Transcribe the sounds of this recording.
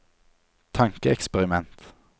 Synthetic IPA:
t̪ʰɑŋkəɛkspɛʁɪmɛnt̪

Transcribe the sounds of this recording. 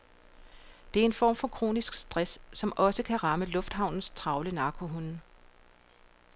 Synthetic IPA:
d̥e̝æɐe̝nfɒ̰ːm̰fɒ̽kʰʁo̝̰ːnisɡ̥sd̥ʁasːɒ̽mʔɒ̽səkʰæʁɑ̈məlɔ̽fd̥hɦɑ̈ʊ̰nn̩st͡sʰʁɑ̈ʊləinɑ̈ːkʰoɦunn̩

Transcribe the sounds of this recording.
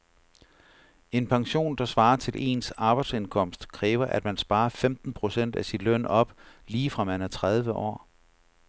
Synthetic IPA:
e̝npʰɑ̈ŋɕo̝̰ːnd̥ɑ̈sʋɑ̈ːɐt͡sʰe̝lʔe̝̰ːnsɑ̈ːb̥ɑ̈ɪd̥se̝nkʰɒ̽m̰sd̥kʰʁɛːʊɐʔæd̥mænsb̥ɑ̈ːɐfemd̥n̩pʰʁo̝sen̰d̥æsinlœn̰ɒ̽b̥liːfʁɑ̈mænæɐt͡sʰʁað̞ˠʋəʔɒ̰ː

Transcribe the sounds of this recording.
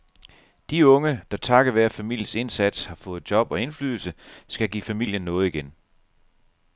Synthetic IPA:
d̥iɔ̽ŋəd̥ɑ̈t͡sʰɑ̈ɡ̥ɐʋæɐfæmil̰jəse̝nsæd̥shɑ̈fɔ̽ːð̞̩ˠd̥jɒ̽b̥ɒ̽e̝nflyːðˠl̩səsɡ̥æɡ̥ḭːfæmil̰jənːɔ̽ːð̞̩ˠiɡ̥en

